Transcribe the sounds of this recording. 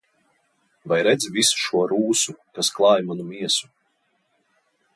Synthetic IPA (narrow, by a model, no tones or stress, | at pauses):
vajɾɛd̪zʲvisu̥ʃuɔɾuːsukasklˠɑːjmanumiɛsu̥